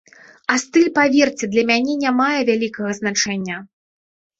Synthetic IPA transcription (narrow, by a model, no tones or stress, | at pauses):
ast̪ɨlʲpavʲɛrt͡sʲɛd̪lʲɐmʲanʲɛnʲamajɛvʲalʲikɐɣɐznat͡ʂɛnʲːɐ